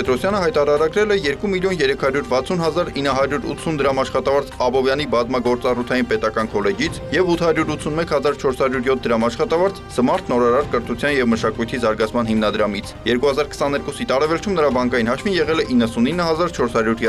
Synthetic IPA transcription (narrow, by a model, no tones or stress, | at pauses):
ɛt̪ɾɔsjɑnəɦɑjt̪ɑɾɑɾɑɡɾɛlɛjɛɾkumiljɔnjɛɾɛkʰɑɾjuɾvɑt͡sʰun̪hɑzɑɾinːəɦɑɾjuɾṵt̪ʰːund̪əɾɑmɑʃχɑt̪ɑvɑɾt͡sʰɑbɔvjɑnibɑzmɑɡɔɾt͡sɑrut̪ʰɑjinpɛt̪ɑkɑnkʰɔlɛd͡ʒit͡sʰjɛvut̪ʰhɑɾjuɾut̪t͡sʰunmɛkhɑzɑɾt͡ʃʰɔɾshɑɾjuɾjɔt̪̚ʰd̪əɾɑmɑʃχɑt̪ɑvɑɾt͡szəmɑɾt̪ʰnɔɾɑɾɑɾkəɾt̪ʰut͡sʰjɑnjɛvməʃɑkujt̪ʰizɑɾɡɑt͡sʰmɑn̪himnɑd̪əɾɑmit͡sʰjɛɾkuhɑzɑɾkʰə̥sɑnɛɾkusit̪ɑɾɛvɛlt͡ʃʰumnəɾɑbɑŋkɑjinɦɑt͡ʃʰvinjɛʁɛlɛʔinːəsuninːəɦɑzɑɾt͡ʃʰɔɾshɑɾjuɾj